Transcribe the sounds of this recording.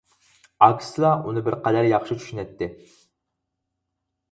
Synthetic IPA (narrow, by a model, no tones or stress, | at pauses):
ɑkʰʲsɨlˠɑʔunɨbɪɾqæd̪æɾjɑχʃit͡ʃʰy̥ʃynɛt̪ʰːɪ